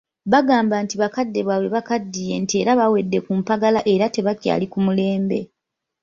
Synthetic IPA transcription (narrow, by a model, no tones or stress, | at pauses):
βaɡaːmbantiβakadːe̞βwawe̞βakadːije̞ntie̞ːɾaβawe̞dːe̞kumpaɡalaʔe̞ɾate̞βacja̰ːlikumule̞ːmbe̞̰